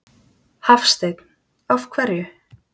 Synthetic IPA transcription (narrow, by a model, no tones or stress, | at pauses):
hafst̪ejt̪n̥ | afkʰvɛɾjʏ